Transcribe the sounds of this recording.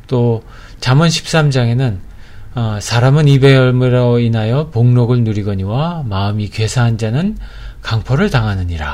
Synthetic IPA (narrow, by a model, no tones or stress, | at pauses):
t͈o | t͡ɕamʌnɕʰi̥p̚s͈amd͡ʑaŋe̞nɯnʌsʰaɾamɯnibe̞jʌɭmɯɾʌinajʌpoŋnʌɡɯɭnuɾiɡʌɲiwamaɯmikɥe̞sʰaɦand͡ʑanɯn | kaŋpʰʌɾɯɭtaŋɦanɯɲiɾa